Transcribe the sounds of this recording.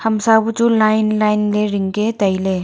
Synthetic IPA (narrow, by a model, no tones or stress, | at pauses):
hɐmsabut͡ʃulajnlajnleɾɪŋket̪ɐjle